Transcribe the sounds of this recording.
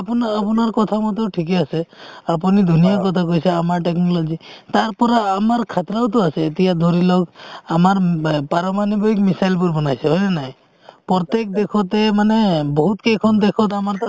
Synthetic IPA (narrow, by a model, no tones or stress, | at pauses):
apɔnaːpɔnaɾkɔt̪ʰamat̪ɔʈʰikeaseapunid̪ʱunijakɔt̪ʰakojseamaɾʈeknɔlɔd͡ʒit̪aɾpɔɾaːmaɾkʰat̪ɾawt̪ɔaseːt̪iad̪ʱoɾilɔkamaɾpaɾɔmanibɔikmisajlpuɾbɔnajseɦɔjnenaɦĩ | pɔt̪ek̚d̪ekʰɔt̪emanebɔɦut̪kekʰɔnd̪ekʰɔt̪amaɾt̪a